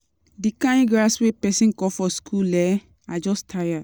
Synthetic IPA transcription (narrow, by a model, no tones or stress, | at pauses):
dikãj̃ɡaswepɛsĩnkɔfɔskʰulɛ | ad͡ʒɔstʰaja